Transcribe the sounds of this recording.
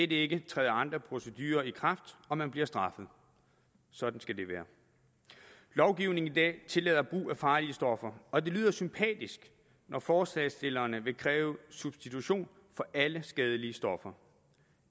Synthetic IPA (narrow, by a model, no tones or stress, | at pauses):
edəe̝ɡ̥ət͡sʰʁɛːðˠɑ̈nd̥ʁɐpʰʁo̝səd̥yːɐikʰʁɑ̈fd̥ɒ̽mænb̥liɐsd̥ʁɑ̈fəð̩ˠ | sɒ̽d̥n̩sɡ̥æd̥e̝ʋæːɐ | lɒʊɡ̥iʊne̝ŋnid̥ɛ̰ːt͡sʰe̝lɛðˠɐb̥ʁṵːæfɑ̈ːliəsd̥ɒ̽fɐɒ̽d̥e̝lyːð̰ˠɐsympʰɛ̰ːd̥isɡ̥ | nʔɒfɒːslɛsd̥e̝lɐːnəʋe̝kʰʁɛːʊsub̥sd̥it͡sʰuɕo̝̰ːn | fɒ̽ʔæləsɡ̥ɛð̞ˠəliəsd̥ɒ̽fɐ